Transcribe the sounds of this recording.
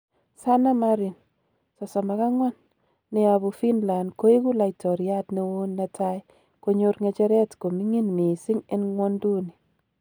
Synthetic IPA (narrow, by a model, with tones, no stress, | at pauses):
sa˦na˦ma˦ɾi˨n | sɔ˨sɔ˨ma˨ka˦ŋwa˦nː | ɛ˨a˨bu˨fi˦nla˨ndko˦i˦ku˦la˨jtɔ˨ɾja˦tne˦wo˦nːa˨tʰa˦j | ko˦ɲo˦ɾŋe˦t͡ʃɛ˦ɾɛ˦tko˨mi˦ŋi˦nmi˨sɪ˦ŋe˦nŋwɔ˦ndu˦ni˨